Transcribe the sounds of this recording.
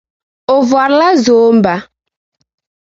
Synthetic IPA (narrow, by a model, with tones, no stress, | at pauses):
o˨vʊ˨a˨ɾla˦zo˨˦m̩˦ba˦